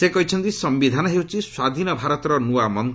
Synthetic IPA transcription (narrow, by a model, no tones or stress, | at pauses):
sekɔɦit͡ʃʰɔnt̪isɔmbid̪ʱanɔɦewt͡ʃʰiswad̪ʱinɔbʱaɾɔt̪ɔɾɔnuamɔn